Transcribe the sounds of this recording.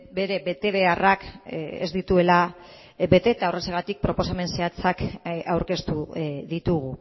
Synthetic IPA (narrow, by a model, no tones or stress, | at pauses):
be̞ɾe̞βe̞t̪e̞β̞e̞arakḛzd̪it̪ue̞la | be̞t̪e̞ːt̪aoreseɣ̞at̪ik̚pɾo̞po̞same̞nse̞at͡sakawɾke̞st̪uðit̪uɣ̞u